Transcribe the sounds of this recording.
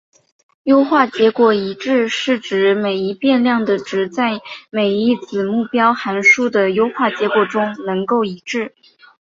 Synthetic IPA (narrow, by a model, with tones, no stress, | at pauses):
jo˥ʊxwa˥˩t͡ɕjɛ˧˥kwɔ˨˩i˧˥ʈ͡ʂɻ̩˥˧ʂɻ̩˥˩ʈ͡ʂɻ̩˧˥me˨˩ɪi˧˥pjɛ˥˧nljɑ˥˩ŋd̪ə˩ʈ͡ʂɻ̩˧˥t͡sa˥˩ɪme˨˩ɪi˥˩t͡sɹ̩˨˩mu˥˩pjɑ˥ʊxa˧˥nʂu˥d̪ə˨jo˥ʊxwa˥˩t͡ɕjɛ˧˥kwɔ˨˩ʈ͡ʂʊ˥ŋnɤ˧˥ŋko˥˩ʊi˧˥ʈ͡ʂɻ̩˥˩